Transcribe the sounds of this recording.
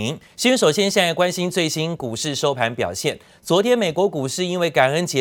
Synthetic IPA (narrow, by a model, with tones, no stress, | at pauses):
ŋɕy˥ʂo˨˩ʊɕjɛ˥nɕja˥˧a˥˩kwa˦˥nɕi˥nt͡swe˥˩ɪɕi˥nku˨˩ʂɻ̩˥˨ʂo˥ʊpʰa˧˥npjɑ̰˨˩ʊɕjɛ˥˩n | t͡swɔ˧˥t̪ʰjɛ˥nme˨˩ɪkwɔ˧˥ku˨˩ʂɻ̩˥˩i˥nwe˥˩ɪka˨˩nə˦nt͡ɕjɛ˧˦˥